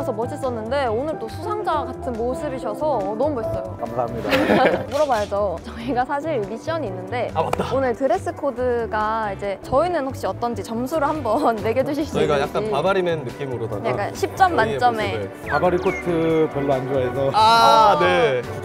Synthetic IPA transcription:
esʰʌmʌɕʰis͈ʌnːɯnde̞onɯɭt͈osʰusʰaŋd͡ʑaɡatʰɯnmosʰɯbiɕʰʌsʰʌnʌmubʌɭs͈ʌjoasamɲidamuɾʌbajʌd͡ʑot͡ɕʌiɡasʰaɕʰiɭmiɕ͈ʌɲiːnːɯnde̞aat͈aonɯɭtɯɾe̞s͈ɯkʰodɯɡaid͡ʑe̞t͡ɕʌinɯnɸwak̚ɕ͈iʌt͈ʌnd͡ʑit͡ɕʌmsʰuɾɯɭhambʌnːe̞ɡed͡ʑuɕʰiɕ͈ʌiiɡajak͈̚aipabaɾimenːɯk͈imɯɾoda̰nek͈aɕʰip̚t͡ɕ͈ʌmːant͡ɕ͈ʌme̞ | pabaɾikʰotʰɯpjʌɭːoand͡ʑoaesʰʌane̞

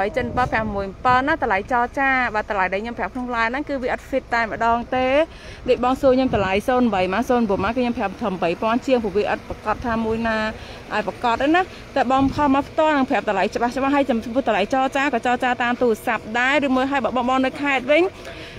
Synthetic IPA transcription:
əjt͡ɕət̪npəlpʰɛ̆əhmuəjmpəlnat̪alajt͡ɕɑːt͡ɕaːɓaːt̪alajɗaːjɲompʰɛ̆əp̚kʰnoŋlaɛnɨŋkɨːʋiəʔɑt̪̚fit̪̚ːaɛmə̆ɗɑːŋt̪eː | ɗoc̚ɓɑːŋsuəɲoːmt̪alajsoːnɓəjmaːsoːnpuəmaːkɨːɲoːmpʰɛ̆əp̚t̪ʰəmɓəjpŏənt͡ɕiəŋpuːəʋiəʔɑ̰t̪̚pakɑt̪ʰːaːmuəjnaː | ʔaɔɛpakɑt̪ʔəna | t̪aɓɑːŋpʰɑlmapʰt̪ŏəlnɨŋpʰɛ̆əp̚t̪alajt͡ɕə̆ɓaht͡ɕə̆ɓaɦːəjt͡ɕpŭəht̪ʰalajt͡ɕɑːt͡ɕaːkɑːt͡ɕɑːt͡ɕaːt̪aːmt̪uːrəsap̚ɗaɛrɨːmuəjɦaəjɓɑːɓɑːŋɓɑːŋnɨwkʰaɛt̪̚ʋɨɲ

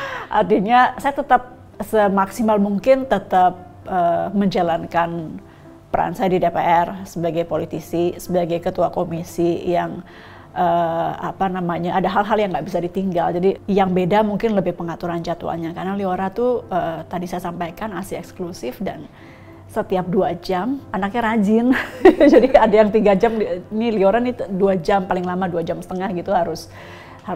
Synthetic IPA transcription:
ʔa̰rt̪iɲasajat̪ət̪ap̚ | səmaksimalmuŋkɪnt̪ət̪ap̚ | əməɲd͡ʒalankan | pəɾa̰nsajadidepeʔɛrsəbaɡajpolit̪isisəbaɡajkət̪uakomisijaŋ | ʔəapanamaɲaʔːdaɦalɦaljaŋɡaʔbisadit̪iŋɡald͡ʒadijaŋbedamuŋkɪnləbɪhpəŋat̪uɾant͡ʃat̪ṵa̰ɲakaɾənalioɾat̪uət̪adisajasampajkanasiɛksklusɪfdan | sət̪iap̚duad͡ʒamanak̚ɲaɾad͡ʒɪnd͡ʒadiadajaŋt̪iɡad͡ʒamnilioɾaniduad͡ʒampalɪŋlamaduad͡ʒamsə̥t̪əŋahɡit̪uɦaɾʊs | ha

